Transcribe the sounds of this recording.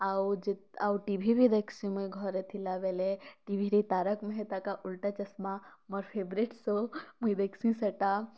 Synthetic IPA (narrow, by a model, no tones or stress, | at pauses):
awd͡ʒit̪awʈibʱibʱid̪eksĩmujɡʱɔɾet̪ʰilaʋeleʈibʱiɾit̪aɾəkmeɦet̪akaʔulʈat͡ʃɐsmamɔɾpʰebɾiʈsomujd̪eksĩsɐʈa